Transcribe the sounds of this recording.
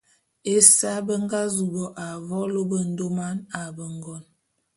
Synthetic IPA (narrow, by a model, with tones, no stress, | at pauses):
e˦sa˦bə˦ŋ˦ɡa˦zu˨bɔ˨ʔa˨vɔ˦lo˦bə˦n̩˦do˦ma˦na˨bə˨ŋɡɔ˦˨n